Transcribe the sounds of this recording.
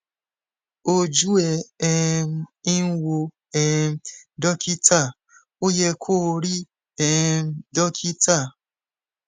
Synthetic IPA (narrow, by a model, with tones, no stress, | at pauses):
o˧d͡ʒu˦ɛ˧ɛ˦˧˦i˦n˦wo˧ | ɛ˧˦dɔ˦ki˦ta˦˨ | o˦jɛ˧kʰoː˦˨ɾi˦ | ɛ˧˦dɔ˦kʰi˦tʰa˦˨